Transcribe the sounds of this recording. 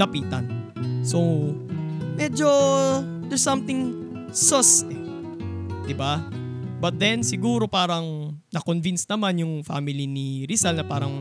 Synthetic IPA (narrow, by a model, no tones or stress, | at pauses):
ɐpiːt̪ɐ̰nso | mɛd͡ʒo | d̪ɛsɐ̃mt̪ɪŋ | sosɛ | d̪ɪba | bɐt̪̚d̪ɛnsɪɡuːɾo̞paːɾɐŋnɐkonvinsnɐmanjʊŋfa̰mɪliniɾisɐlnɐpaːɾɐŋ